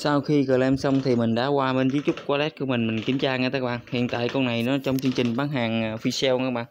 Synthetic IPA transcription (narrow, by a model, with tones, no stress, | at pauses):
saː˧wxi˧kəː˨˩lʔɛ˧msə˧wŋ͡mt̪ʰi˨˩mï˨˩ŋ̟ɗa̰ː˧˥kwaː˧ɓe˧nzi˨˦t͡ɕʊ˦˥k͡p̚kaː˧lɛ˦˥t̚ku˧˦mï˨˩ŋ̟mi˨˩ŋ̟ki˨˦mt͡ɕaː˧ŋaː˧t̪aː˨˦˥ɓaː˧˨nhḭ˧˨ənt̪a̰ː˧˨jkɔ˧na˨˩jnɔ˨˦t͡ɕɔ˧wŋ͡mt͡ɕɨ˧əŋt͡ɕï˨˩ŋ̟ɓaː˨˦nɦaː˨˩ŋəː˨˩fi˧sɛ˧wŋaː˧˨˦ɓaː˧˨